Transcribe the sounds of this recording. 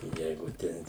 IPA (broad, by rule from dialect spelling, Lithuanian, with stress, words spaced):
ˈjɛɪɡʊ ˈtʲɛn